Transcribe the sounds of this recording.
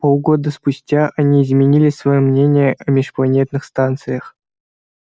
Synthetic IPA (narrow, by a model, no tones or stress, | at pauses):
polˠɡod̪əspusʲtʲaʔanʲiːzmʲɪnʲilʲɪsvɐjomnʲenʲɪjəʔɐmʲɪʂplˠɐnʲet̪nɨxst̪ant̪sɨjəχ